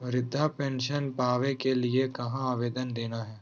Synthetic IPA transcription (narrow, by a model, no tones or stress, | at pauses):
ɾɪd̪ʱːapɛ̃ːnʃənpaːʋekeliekɐɦãaːʋeːd̪ənd̪eːnaɦɛː